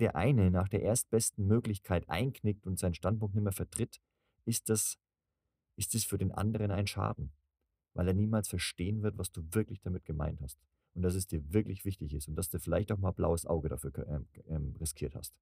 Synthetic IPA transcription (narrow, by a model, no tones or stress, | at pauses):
d̥eːɐʔa̰ɪnənaːχd̥eːɐʔeːɐst̚b̥ɛstn̩møːklɪçkʰaɪtʔa̰ɪnknɪk̚tʊntz̥aɪnʃtant̚pʊŋk̚tnɪːmɐfɛɐtʁ̥ɪt | ʔɪst̚d̥as | ʔɪstɛsfyːɐdeːnʔa̰ndəʁ̞ənaɪnʃa̰ːdn̩ | vaɪleːɐniːmaːlsfɛɐʃteːənvɪɐtvasd̥uːvɪɐklɪçd̥amɪt̚ɡ̥əma̰ɪnthast | ʔʊnt̚d̥as̬ɛsd̥iːɐvɪɐklɪçv̥ɪçtɪçɪstʊntd̥asd̥uːfɪla̰ɪçtaʊxmaːlblaʊəsʔa̰ʊɡədafyːɐʔɛːmʁɪskʰiːɐtha̰st